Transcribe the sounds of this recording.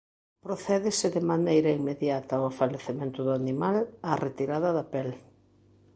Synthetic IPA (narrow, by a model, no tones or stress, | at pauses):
pɾoθɛðɪsɪðɪmanejɾɐiŋmeðjat̪ɐoefaleθemẽnt̪ʊðʊanimalaret̪iɾaðɐðɐpɛl